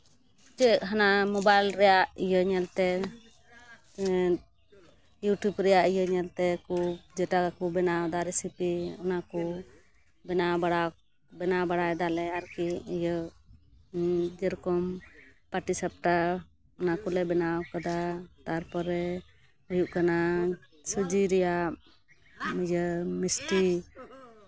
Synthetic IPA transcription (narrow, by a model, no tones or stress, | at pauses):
d͡ʒɛʔɦanamɔbajlɾɛjaʔijəɲɛlt̪ɛ | juʈjubɾɛjaʔijəɲɛlt̪ɛkud͡ʒɛʈakakubɛnawd̪aɾɛsipiɔnaku | bɛnawbaɽa | bɛnawbaɽaɛd̪alɛaɾkiəjə | d͡ʒəɾkɔmpaʈisap̚ʈa | ɔnakulɛbɛnawkad̪at̪aɾpɔɾɛ | ɔjuʔkana | sud͡ʒiɾɛja | mid͡ʒəmisʈi